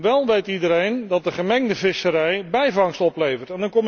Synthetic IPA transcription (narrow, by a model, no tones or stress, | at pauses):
ʋɛlˠʋejtidəɾejndɑt̚dəχəmɛŋdəvɪsəɾɛjbɛjvɑŋstɔplejvərtɛndɑnkɔm